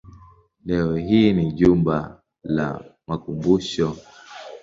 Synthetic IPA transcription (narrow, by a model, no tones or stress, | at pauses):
lɛwɛɦiːniʄumba | la̰makumbuʃɔ